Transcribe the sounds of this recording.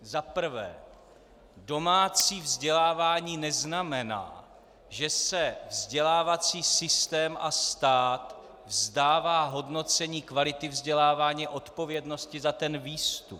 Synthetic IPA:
zapr̩vɛ̰ː | do̞maːt͡siːvzɟɛlaːvaːɲiːnɛznamɛna̰ː | ʒɛsɛvzɟɛlaːvat͡siːsɪst̪ɛːmʔast̪aːt̪ | vzdaːvaːɦo̞dno̞t͡sɛɲiːkvalɪt̪ɪvzɟɛlaːvaːɲɛʔo̞t̪po̞vjɛdno̞scɪzat̪ɛnviːst̪up

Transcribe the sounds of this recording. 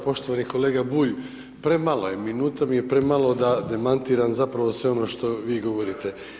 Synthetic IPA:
po̞ʃt̪oʋaniko̞leːɡabuːʎ | pɾe̞malojeminuːt̪amije̞pɾe̞malˠo̞d̪ad̪e̞mant̪iːɾanzapɾaʋosʋe̞o̞no̞ːʃt̪o̞ʋiːɡo̞ʋo̞ɾit̪e̞

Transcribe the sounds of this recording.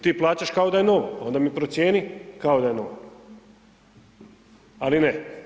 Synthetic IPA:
t̪iːplˠaːt͡ɕaʃkao̞d̪aje̞no̞ʋoo̞nd̪amipɾot̪sje̞ːnikao̞d̪aje̞noʋo | aline

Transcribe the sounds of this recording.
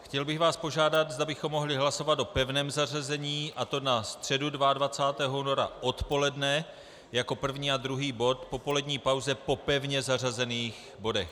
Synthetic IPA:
xcɛlbɪɣvaːspo̞ʒaːdat̪zdabɪxo̞mːo̞ɦlɪɦlaso̞vat̪o̞pɛvnɛːmzar̝azɛɲiːʔat̪o̞nast̪r̝̥ɛdudvaadvat͡saːt̪ɛːɦouno̞ɾa̰ʔo̞t̪po̞lɛdnɛ | jako̞pr̩vɲiːad̪ɾuɦiːbo̞t̪po̞po̞lɛd̪ɲiːpawzɛpo̞pɛvɲɛzar̝azɛniːx | bo̞dɛx

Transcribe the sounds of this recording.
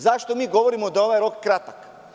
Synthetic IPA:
zaʃt̪omiːɡo̞ʋoɾimod̪ao̞ʋajɾokːɾat̪ak

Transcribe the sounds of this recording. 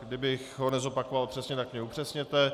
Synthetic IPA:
dɪbɪxɦo̞nɛzo̞pakovalpr̝̥ɛsɲɛt̪akmɛupr̝̥ɛsɲɛt̪ɛ

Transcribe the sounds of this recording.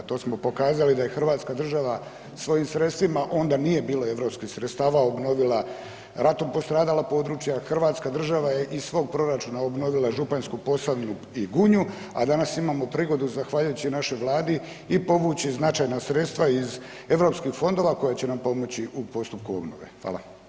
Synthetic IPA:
t̪o̞ːsmo̞po̞kaːzalid̪aje̞xr̩ʋaːt̪skad̪r̩ʒaʋa | sʋo̞jimsɾe̞t̪st̪ʋimaʔo̞nd̪anije̞biːloe̞ʋɾo̞pskixsɾet̪st̪aːʋaobno̞ʋila | ɾat̪o̞mpo̞st̪ɾaːd̪alˠapo̞ːd̪ɾut͡ʃjaxr̩ʋaːt̪skad̪r̩ʒaʋaje̞ʔiʋo̞ːɡ̚pɾo̞ɾat͡ʃuːnaobno̞ʋilˠaʒupanskupo̞saʋnu | iɡuɲu | a̰d̪anasimaːmo̞pɾiːɡo̞d̪uzaxʋaʎujut͡ɕinaʃo̞jʋlˠaːd̪i | ipo̞ʋuːt͡ɕiznat͡ʃaːjnasɾe̞t̪st̪ʋaiz | e̞ʋɾo̞pskixfo̞nd̪o̞ʋako̞jat͡ɕe̞nampo̞mo̞t͡ɕiʔupo̞st̪up̚kuo̞̰bno̰ʋḛxʋa̰ːlˠa̰

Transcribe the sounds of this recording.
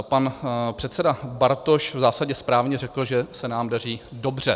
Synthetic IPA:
panpr̥ɛt̪sɛdabaɾt̪oʃvzaːsaɟɛspɾaːvɲɛrɛkl̩ʒɛsɛnaːmdar̝iːdo̞br̝ɛ

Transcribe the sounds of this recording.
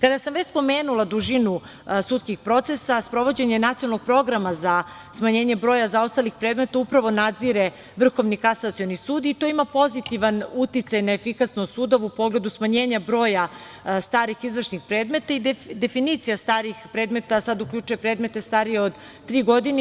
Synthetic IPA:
kad̪asamʋet͡ɕspo̞meːnulˠad̪uʒinu | suːt̪skixpɾo̞t̪se̞saspɾo̞ʋo̞d͡ʑe̞ɲenat̪ionaloɡ̚pɾo̞ɡɾamaza | smaɲe̞ːɲebɾo̞ːjazaost̪alixpɾe̞ːd̪me̞t̪aupɾaʋo̞nad̪ziɾe | ʋr̩xo̞ʋnikasat̪sijonisuːd̪it̪o̞imapo̞zit̪iʋanut̪it̪sajnaefikasnosuːd̪oʋupo̞ɡle̞d̪usmaɲe̞ːɲabɾo̞ːja | st̪aːɾixizʋr̩ʃnixpɾe̞ːd̪me̞t̪aid̪d̪e̞finit̪sijast̪aːɾixpɾe̞ːd̪me̞t̪asad̪uklʲʎut͡ʃuje̞pɾe̞ːd̪me̞t̪e̞st̪aɾije̞od̪ | t̪ːɾiːɡo̞d̪ine

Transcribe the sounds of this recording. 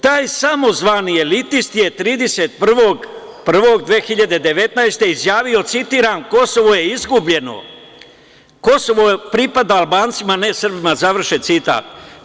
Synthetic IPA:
t̪aːjsamo̞zʋanie̞lit̪ist̪je̞t̪ɾiːd̪e̞set̪̚pr̩ʋo̞ɡ | pr̩ʋo̞ɡd̪ʋeːxiʎad̪e̞d̪e̞ʋe̞t̪naest̪e̞izjaːʋio̞t̪sit̪iːɾanko̞so̞ʋoje̞izɡubʎe̞no̰ | ko̞so̞ʋopɾipad̪aːlˠbaːnt̪simane̞srbimazaʋr̩ʃet̪sit̪a̰ːt̪̚

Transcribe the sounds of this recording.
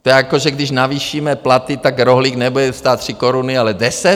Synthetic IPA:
t̪ojɛakoʒɛɡdɪʃnaviːʃiːmɛplat̪ɪt̪akɾoɦliːknɛbudɛst̪aːt̪ːr̥ɪkoɾunɪalɛdɛsɛt̪

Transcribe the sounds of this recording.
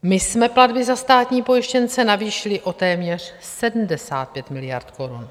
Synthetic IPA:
mɪsmɛpladbɪzast̪aːt̪ɲiːpo̞jɪʃcɛnt͡sɛnaviːʃɪlɪʔo̞t̪ɛːmɲɛr̝̥ | sɛdm̩dɛsaːt̪̚pjɛt̪mɪlɪja̰ɾt̪ko̞ɾun

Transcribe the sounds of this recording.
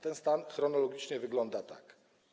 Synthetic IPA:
t̪ɛnst̪anxɾɔnɔlɔɡʲit͡ʂɲɛvɘɡlɔnd̪at̪a̰k

